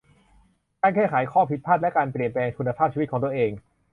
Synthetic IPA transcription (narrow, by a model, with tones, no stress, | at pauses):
kaː˧nkʰɛː˥˩kʰaː˩˦jkʰɔː˥˩pʰi˦˥t̪̚pʰaː˥˩t̪̚lɛ˦˥kaː˧npli˨˩ənplɛː˧ŋt̪ʰu˧nːa˧pʰaː˥˩t͡ɕʰi˧˦˥kʰɔː˩˦t̪ːə˨ʔeː˧ŋ